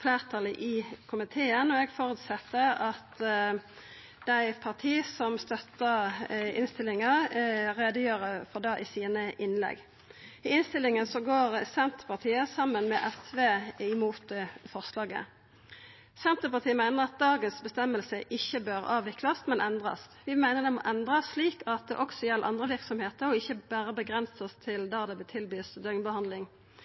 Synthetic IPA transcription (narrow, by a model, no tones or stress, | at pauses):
fleːʁt̪ʰɑləʔikʰʊmɪt̪ʰeːənɔɛɡfɔɾʉːt̪sɛt̪ːəɑt̪ | d̪̥æɪpʰɑʁt̪ʰiːsɔmst̪œt̪ːəɪnst̪ɪlɪŋɑʁɛd̪əjøːɾəfɔʁd̪ɑːʔɪsiːnəʔɪnlɛ̰ɡ | ɪɪnst̪ɪlɪŋənsɔɡoːʁsɛnt̪ə̥pɑʁt̪ʰiːəsɑmːənmɛʔɛfʋeːɪmuːt̪̚fɔʁslɑːɡə̰ | sɛnt̪əpɑʁt̪ʰiːəmæɪnəʁɑt̪̚d̪ɑːɡənsbəst̪ɛmːəlsəʔɪçːəbøːɾʔɑːʋɪklɑst̪mɛnʔɛnd̪ʁɑ̰sʋɪmæɪnəʁd̪ɛmɔ̰ːʔɛnd̪ʁɑsːliːkɑt̪̚d̪ɛ̰ʔɔksɔjɛlːʔɑ̰nd̪ʁəʋɪʁksɔmheːt̪əɾɔɪçːəbæːɾəbəɡʁɛnsəst̪ʰɪld̪ɑːd̪ɛbt̪ʰɪlbyːsd̪œʏnbəhɑnd̪lɪŋ